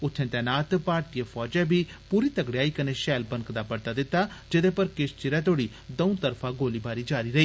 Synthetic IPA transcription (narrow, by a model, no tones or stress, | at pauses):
ʊt̪ʰːẽːt̪ɛːnaːt̪paːɾʈijepʰɔːd͡ʒɛ̃ːbʱiːpuːɾiːt̪əɡɽeaːiːkəneːʃɛːlbənkd̪aːpəɽt̪aːd̪ɪt̪ːaːd͡ʒɪd̪eːpəɾkɪst͡ʃɪɾɛːt̪oːɽiː | d̪əũːt̪əɾpʰãːɡoːliːbaːɾiːd͡ʒaːɾiːɾəiː